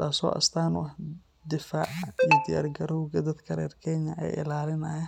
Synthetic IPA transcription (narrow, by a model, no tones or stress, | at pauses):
t̪ʰaːsɔ̰ːʔɐ̰st̪ʰaːnʊɐh | d̪ɪfaːʕijɔd̪ɪja̰ːrɡɐɾɔwɡɐd̪ɐd̪kʰɐɾɛ̰ːrkʰɛɲɐʔɛ̰jɪ̰laːlɪnɐjɐ